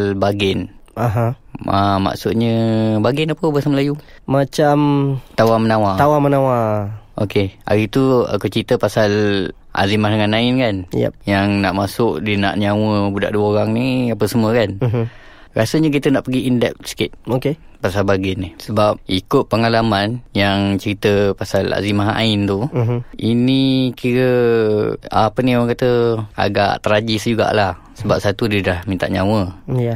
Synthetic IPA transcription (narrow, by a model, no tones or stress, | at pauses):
lbaɡɛnaɦã | ama̰ʔsʊʔ̪̚ɲəbaɡɛnapəbəsaməlaju | mat͡ʃamt̪awamənawat̪awamənawaʔokea̰ɾit̪ua̰kut͡ʃit̪əpasal | ʔa̰zimahdəŋanːaɪnkanjɛ̰jaŋnaʔmasʊk̚dina̰ʔɲawəbuda̰ʔduəoɾaŋniapəsəməkan | ɾa̰səɲək̬it̪ənaʔpəɡiindɛp̚sə̥kɪt̪̚oke | pasalbaɡɛnihsəbap̚ikʊt̪̚pəŋalamanjaŋt͡ʃəɾit̪əpasala̰zimaɦaʔa̰ɪnt̪uinikiɾə | apənioaŋkat̪əa̰ɡa̰ʔt̪əɾad͡ʒisd͡ʒuɡa̰ʔlah | səbap̚sat̪udiədahmint̪a̰ʔɲawəj